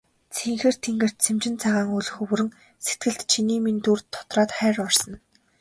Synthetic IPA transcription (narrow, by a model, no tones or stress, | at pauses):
t͡sʰeŋxeːr̥t̪ʰeŋɡɘ̆r̥t̪̚t͡sʰemt͡ɕɪ̆nt͡sʰaʁaːŋuɮɵ̆xɵwɵɾɘ̆ŋ | set̪̚ɡɘ̆ɮt̪t͡ɕʰiniːmint̪urt̪ʰːɔ̥t̪raːt̪χæːɾɔrsɞ̆n